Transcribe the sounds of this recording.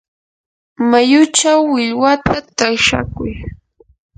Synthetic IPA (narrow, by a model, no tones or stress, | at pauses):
majʊt͡ʃawːɪʎwat̪at̪aʃa̰kʊj